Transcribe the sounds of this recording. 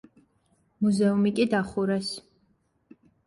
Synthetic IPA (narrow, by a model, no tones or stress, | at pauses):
muzɛumikʼid̪aχuɾɛs